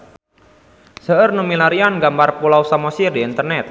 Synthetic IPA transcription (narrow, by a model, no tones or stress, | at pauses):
səʔərnumilaɾianɡambarpulawsamɔsirdiːnt̪ərnɛt̪̚